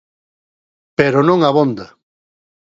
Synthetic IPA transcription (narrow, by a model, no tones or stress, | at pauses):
peɾonõŋaβond̪ɐ